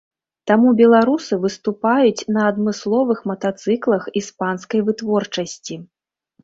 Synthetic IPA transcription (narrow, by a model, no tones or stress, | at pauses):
t̪amubʲɛlˠaɾusɨvɨst̪upajut͡sʲnɐːd̪mɨslˠɔvɨxmɐt̪at̪sɨklˠɐxispanskɐjvɨt̪vɔrt͡ʂɐsʲt͡sʲi